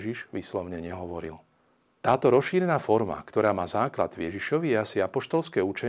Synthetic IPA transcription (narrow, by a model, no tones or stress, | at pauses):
ʒiʒʋiːslɔʊɲɛɲɛɦɔʋɔɾḭl | t̪aːt̪ɔɾɔsʃiːɾɛnaːfɔɾma̰kt̪ɔɾaːmaːzaːkla̰d̪ʋjɛʒiʃɔʋijɛasiapɔʃt̪ɔlskɛːut͡ʃɛ